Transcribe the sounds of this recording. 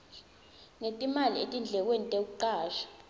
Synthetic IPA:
ŋetʼimalietʼind͡ɮʱɛk̬wenitʼek̬uǃaːʃḁ

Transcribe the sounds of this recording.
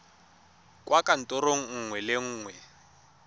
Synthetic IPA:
kʼwakʼan̩tʼɔɾoŋ̩ŋ̩ŋwɛleŋ̩ːŋwɛ

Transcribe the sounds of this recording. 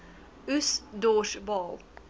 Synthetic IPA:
ʉsd̪oːʃbɔl

